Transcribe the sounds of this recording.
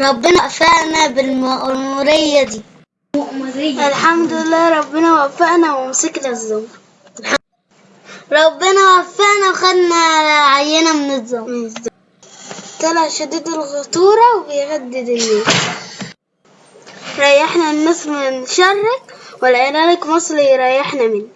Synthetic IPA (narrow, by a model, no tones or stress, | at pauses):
ɾˤɑbːɪnaʔfaʔnabɪlmɪmʊɾɪjːad̪iː | alħamd̪ɪlːæːɾˤɑbːɪnawafːaʔnawɪmsiklazːʊw | lħa | ɾˤɑbːɪnawafːaʔnawxad̪naʕajːanæmnɨzˤːɑzː | t̪ælæʃad̪iːd̪ɪlɣʊt̪ˤuːɾˤɑwbɪjhad̪ːɪd̪ɪnːeːs | ɾˤɑjaħnanːæsmɪnʃɑrˤːɑkwɪlʕelæːlakmɑsˤliɾˤɑjaħnæmɪn